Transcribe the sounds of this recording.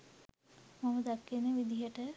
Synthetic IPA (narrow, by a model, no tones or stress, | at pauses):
maməd̪akːenːəʋid̪iɦəʈə